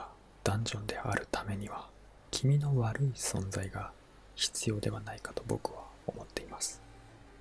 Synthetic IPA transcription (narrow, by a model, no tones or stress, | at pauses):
d̪̥ãɲ̟d͡ʑõ̞nd̪e̞a̰ɾɯ̟t̪ʰame̞ɲ̟iβa | kʲʰimʲino̞βaɾɯ̟isõ̞nd͡zaiɡa | çi̥t͡sɨjo̞ːd̪e̞βanaikḁt̪o̞bo̞kɯ̟βao̞mo̞t̪ːe̞imasɨ̥